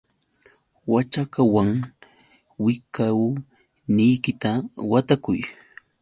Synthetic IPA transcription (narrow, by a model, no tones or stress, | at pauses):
wat͡ʃakawaŋ | wɪkaw | nɪjkɪt̪awat̪akʊj